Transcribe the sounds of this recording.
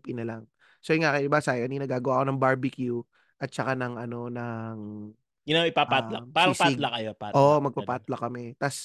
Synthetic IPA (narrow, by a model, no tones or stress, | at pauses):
pinɐlɐŋ | sojɪŋakɐjd̪ɪbasaːjɪkɐniːnɐɡaːɡɐwaːko̞nɐŋbaɹbɪkju | ʔɐt̪̚t͡ʃɐkanɐŋʔɐno̞nɐŋ | ɡɪnaɪpapatlapaɾɐspailakɐjopaʔoːʔmɐɡ̚papaːt̪lɐkɐmɛt̪as